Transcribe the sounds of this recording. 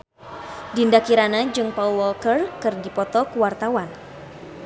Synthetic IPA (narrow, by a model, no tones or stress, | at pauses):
dindakiɾanad͡ʒɨŋpaulɔlkərkɨrdipɔt̪ɔkuwart̪awan